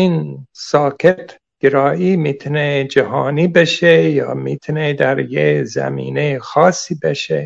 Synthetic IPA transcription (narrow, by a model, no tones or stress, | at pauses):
iːnsɒːkʰet̪ | ɡ̥eɾɒːʔiːmiːt̪ʰuned͡ʒæɦɑːniːbeʃejɒ̰ːmiːt̪ʰuned̪æɾjezæ̰mḭːnejexɒːsiːbeʃe